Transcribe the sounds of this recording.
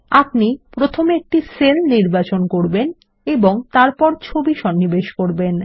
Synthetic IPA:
apnipɾot̪ʰomek̚ʈiselniɾbat͡ɕonkoɾben | eboŋt̪aɾpɔɾt͡ɕʰobiʃɔnːibeʃkoɾben

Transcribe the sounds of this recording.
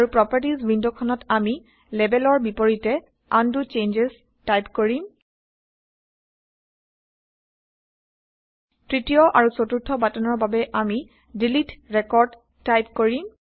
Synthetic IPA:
aɹupɹɔpaɹtizbindokʰɔnɔtami | lɛbɛlɔɹbipoɹitɛ | andut͡ʃend͡ʒes | tajpkoɹim | tɹitijɔʔaɹusotuɹtʰːɔbatɔnɔɹbabɛʔami | dilitɹɛkɔɹd | tajpkoɹim

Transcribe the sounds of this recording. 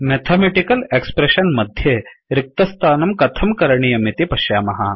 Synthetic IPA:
met̪ʰameʈikɐlekspɾeɕɐnmɐd̪ʱjeɾik̚t̪ɐst̪ʰaːnɐmkɐt̪ʰɐmkɐɾɳijɐmit̪ipɐʃjaːmɐɦa

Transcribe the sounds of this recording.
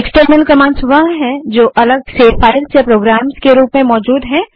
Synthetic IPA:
eksʈəɾnəlkɐmãːnsʋɐɦɦɛ̃d͡ʒoːʔɐləɡsefaːɾəlsepɾoːɡɾaːmskeɾuːpmẽmɔːd͡ʒuːd̪ɦɛ̃

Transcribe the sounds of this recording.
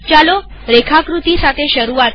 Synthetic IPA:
t͡ɕalo | ɾekʰakɾut̪isat̪ʰeɕəɾuat̪

